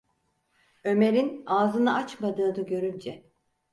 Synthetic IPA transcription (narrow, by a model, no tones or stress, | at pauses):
ø̞me̞ɾinaːzɯnɯʔat͡ʃmad̪ɯːd̪aɟø̞ɾynd͡ʒɛ